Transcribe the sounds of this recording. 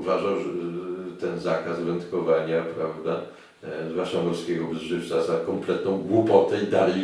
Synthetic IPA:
vaʐawʐɛt̪ɛnzakasvɛnt̪kɔvaɲapɾavd̪a | zvwat͡ʂamɔlskʲɛɡɔbzʐɘft̪sazakɔmplɛt̪̚nɔ̃w̃ɡwupɔt̪ɛid̪alɛ

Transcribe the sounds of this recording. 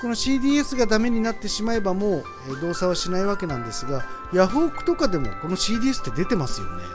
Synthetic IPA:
ko̞no̞ɕiːd̪ʲiːe̞sɨɡad̪ame̞ɲ̟inat̪ːe̞ɕimae̞bamo̞ː | ed̪o̞ːsaβaɕinaiβake̞nãnd̪e̞sɨɡajaɸoːkɯ̟̥t̪o̞kad̪e̞mo̞̰ko̞no̞ɕiːd̪ʲiːesɨ̥t̪ːe̞d̪e̞t̪e̞masɨjo̞̰ne̞̰

